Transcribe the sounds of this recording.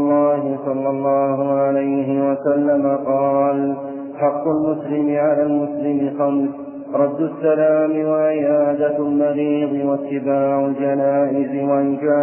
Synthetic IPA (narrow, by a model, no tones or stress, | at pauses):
lˤːɑːɦɪsˤɑlːɑlˤːɑːɦʊʕalajɦɪwasalːamaqɑːl | ħɑqːʊlmʊslɪmɪʕalaːlmʊslɪmɪxam | ɾˤɑd̪ːʊsːalaːmɪwaʕɪʔaːd̪almɑɾiːd̪ˤɨwasːɪbaːʕʊld͡ʒanaːʔɪzɪwaʔɪnkaː